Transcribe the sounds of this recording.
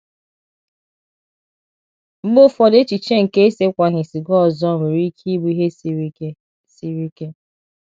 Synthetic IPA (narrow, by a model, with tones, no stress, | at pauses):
ŋ͡m̩˦ɡ͡bo˦fɔ˦de˦t͡ʃi˨t͡ʃe˦ŋ̩˨ke˦e˦se˦kʷa˨ɦɪ˨si˨ɡɔ˦ɔ˨zɔ˦˨me˨ɾi˦kʰi˦bu˦i˦ɦe˦ | si˨ɾi˦ke˦